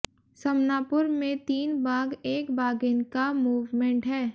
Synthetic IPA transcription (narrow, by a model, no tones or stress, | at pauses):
sɐmnaːpʊɾmẽt̪iːnbaːɡeːkbaːɡɪnkamuːʋmẽɳʈɦɛː